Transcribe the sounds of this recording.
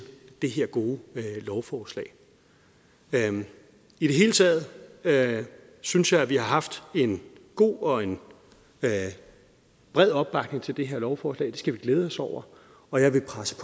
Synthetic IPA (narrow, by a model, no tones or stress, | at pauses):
d̥e̝ɦe̝ɐ̰ɡ̥o̝ːlɒʊfɒːslɛ̰ɪ | id̥e̝ɦe̝ːlət͡sʰɛ̰ð̞ˠ | synsjɑ̈ɪæʋihɑ̈ɦɑ̈fd̥e̝nɡ̥o̝̰ːɒ̽e̝n | b̥ʁɛð̰ˠɒ̽b̥̚b̥ɑ̈ɡ̥ne̝ŋt͡sʰe̝ld̥e̝ɦeɐ̰lɒʊfɒːslɛ̰ːɪd̥e̝sɡ̥æʋiɡ̥leːð̞ˠɒ̽sɒʊ̰ɐ | ɒ̽jɑ̈ɪʋe̝pʰʁasəpʰ